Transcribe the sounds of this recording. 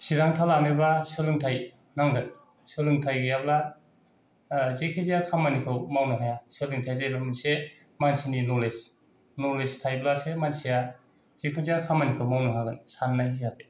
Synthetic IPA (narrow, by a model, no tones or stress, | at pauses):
siɾaŋtʰalamebasɯlɯŋtʰaj | naŋɡɯn | sɯlɯŋtʰajɡɯjabla | zikʰɯzijakʰamanikʰɯwmawnɯɦajasɯlɯŋtʰajzajbaminse | mansininɔles | nolestʰajblasemansija | z̥ikʰɯzijakʰamanikʰɯwmawnɯɦaɡɯnsanːajhizade